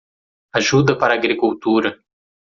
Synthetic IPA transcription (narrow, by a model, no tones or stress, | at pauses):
aʒud̪ɐpaɾaːɡɾikuwt̪uɾɐ